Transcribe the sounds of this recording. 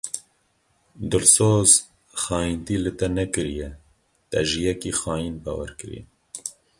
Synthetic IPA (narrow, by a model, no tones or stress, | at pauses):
d̪ɨlsoːz | xɑːjint̪iːlɨt̪ɛnɛkɨɾijɛ | t̪ɛ̰ʒɪjɛkiːxɑːjinbɑ̰wɛ̰ɾkɨɾḭn